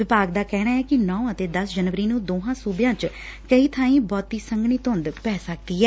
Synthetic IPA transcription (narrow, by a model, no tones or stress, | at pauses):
ʋɪpaːɡd̪aːkɛːɽaːɛːkɪnɔːət̪eːd̪əsd͡ʒənʋəɾiːnũːd̪oːɦãːsuːbɪjãːt͡ʃ | kəiːt̪ʰãːĩːbɔːt̪iːsəŋɡɳiːt̪õːnd̪pɛːsək̚d̪iːɦɛː